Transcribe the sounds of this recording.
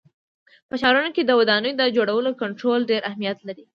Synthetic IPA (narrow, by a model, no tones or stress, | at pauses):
pət͡ʃɑɾunoked̪əwad̪ɑnəjod̪əd͡ʒoɽawəlokʊɳʈɾolɖeɾʔahmijat̪laɾi